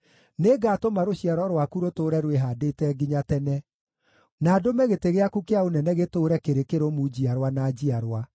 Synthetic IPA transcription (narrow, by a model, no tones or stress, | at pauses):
neɡatomaɾoɕiaɾɔɾwakuɾotoːɾɛɾweɦadetɛɡiɲatɛnɛ | naːdomɛɣeteɣeakukeaonɛnɛɣetoːɾɛkeɾekeɾomud͡ʑiaɾwanad͡ʑiaɾwa